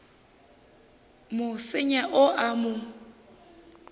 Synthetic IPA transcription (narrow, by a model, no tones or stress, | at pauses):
mʊsɪɲaʔʊʔamʊ